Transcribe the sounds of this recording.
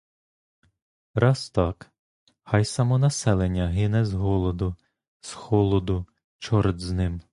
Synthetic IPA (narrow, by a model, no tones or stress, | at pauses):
ɾɑst̪ɑk | xɑjsɐmɔnɐsɛlˠenʲːɐɦɪnɛzɦɔlˠɔd̪ʊ | sxɔlˠɔd̪ʊ | t͡ʃɔɾd̪znɪm